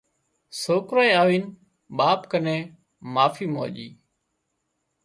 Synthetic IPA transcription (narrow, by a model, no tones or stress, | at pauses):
soːkɾoːẽːaːʋiːn | ɓaːpkənẽː | maːfʰiːmoːʄiː